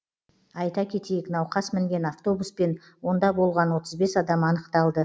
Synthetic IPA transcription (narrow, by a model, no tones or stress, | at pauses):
ɑjt̪ɑkʲʰe̞t̪ejɪknɑwqɑsmɪŋɡʲe̞naft̪o̞buspe̞n | wo̞nd̪ɑbo̞lˠʁɑnwo̞t̪əzbe̞sɑd̪ɑmɑnəqt̪ɑlˠd̪ə